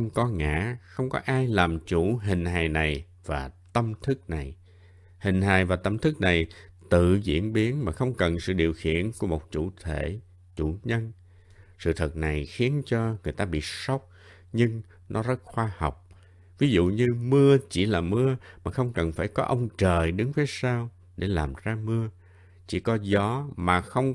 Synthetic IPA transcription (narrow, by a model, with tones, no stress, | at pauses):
ə˧wŋ͡mkɔ˨˦ŋa̰ː˧˥xə˧wŋ͡mkɔ˨˦ʔaː˧jlaː˨˩mt͡ɕu˧˩ɦï˨˩ŋ̟haː˨˩jna˨˩j | vaː˨˩t̪ə˧mt̪ʰɨ˦˥k̚na˨˩j | hï˨˩ŋ̟ɦaː˨˩jvaː˨˩t̪ə˧mt̪ʰɨ˦˥k̚na˨˩j | t̪ɨ̰˧˨zḭ˧˥ənɓi˨˦ənmaː˨˩xə˧wŋ͡mkə˨˩nsɨ̰˧˨ɗi˨˩əwxḭ˧˨ənku˧˩əmo˨˩t̚t͡ɕu˧˩t̪ʰe˧˩ | t͡ɕu˧˩ɲə˧n | sɨ̰˧˨t̪ʰə˨˩k̚na˨˩jxi˨˦ənt͡ɕɔ˧ŋɨ˨˩əjt̪aː˧ɓḭ˧˨sə˦˥wk͡p̚ | ɲɨ˧ŋ | nɔ˨˦zə˦˥t̚xwaː˧hɔ˨˩wk͡p̚ | vi˨˦zṵ˧˨ɲɨ˧mɨ˧ət͡ɕi˧˩laː˨˩mɨ˧əmaː˨˩xə˧wŋ͡mkə˨˩nfaː˧˩jkɔ˨˦ʔə˧wŋ͡mt͡ɕəː˨˩jɗɨ˨˦ŋve˨˦jsaː˧w | ɗe˧˩laː˨˩mzaː˧mɨ˧ə | t͡ɕḭ˧˩kɔ˨˦zɔ˨˦maː˨˩xə˧wŋ͡m